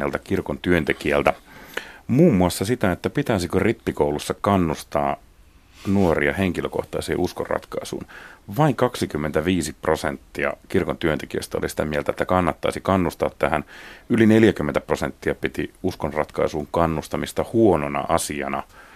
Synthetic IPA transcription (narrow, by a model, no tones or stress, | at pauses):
ḛlt̪ɑkirkont̪yønt̪ekiælt̪æ | muːmːuɑsːɑsit̪æet̪ːæpit̪æisikøripːikoulusːɑkɑnːust̪ɑ̰ː | nuorḭɑ̰heŋkiløko̰ht̪ɑisḛːʔusko̰rrɑ̰t̪kɑ̰isṵːnʋɑiŋkɑksikymːent̪æʋiːsiprosent̪ːiɑ̰kirkont̪yønt̪ekiø̰st̪æo̰lisi̥t̪æmielt̪æet̪ːækɑnːɑt̪ːɑ̰isikɑnːust̪ɑːt̪t̪æhænylineljækymːent̪æprosent̪ːiɑpit̪iuskonrɑ̰t̪kɑisuːŋkɑnːust̪ɑmist̪ɑhuononɑ̰ʔɑsiɑ̰nɑ̰